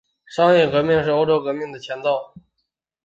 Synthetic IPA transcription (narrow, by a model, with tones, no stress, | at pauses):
ʂɑ˥ŋjɛ˥˩kɤ˧˥mi˥˧ŋʂɻ̩˥˩o˥ʊʈ͡ʂo˥kɤ˧˥mi˥˩ŋd̪ə˩t͡ɕʰjɛ˧˥nt͡s̪ɑ˥˩ʊ